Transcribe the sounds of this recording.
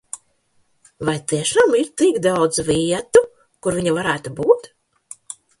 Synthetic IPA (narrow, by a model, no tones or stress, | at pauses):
vajt̪iɛʃamiɾt̪ikd̪awd̪zviɛt̪u | kuɾviɲavaɾæːt̪ubuːt̪